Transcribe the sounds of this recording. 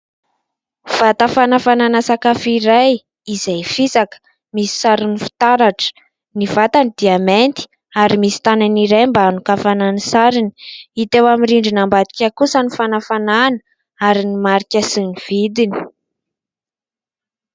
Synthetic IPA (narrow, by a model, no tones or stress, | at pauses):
v̥at̪afanafananasakafiɾaj | izejfisakə̥ | misi̥saɾinifi̥t̪aɾaʈ͡ʂə̥ | niv̥at̪anid̪̥iament̪i̥ | aɾimisi̥t̪ananiɾajmbanukafananisaɾini̥it̪ewamiriɳɖ͡ʐinambad̪i̥kʲakusənifanafananə̥ | aɾinimaɾikʲəsiniv̥id̪ini̥